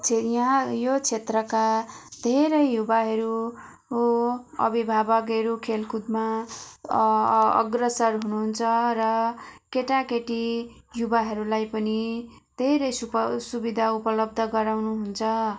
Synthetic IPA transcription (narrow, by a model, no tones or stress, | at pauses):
t͡sʰejãjot͡sʰet̪rʌka | d̪ʱeɾʌjjubaɦʌɾu | ʌ̰bibʱabʌkeɾukʰelkʰud̪ma | ʌ̰ɡrʌsʌrɦunuɦunt͡sʰʌrʌkeʈakeʈi | jubaɦʌɾulajpʌni | d̪ʱeɾʌjsupsubid̪ʱaupʌlʌb̚d̪ʱʌɡʌɾawnuɦunt͡sʰʌ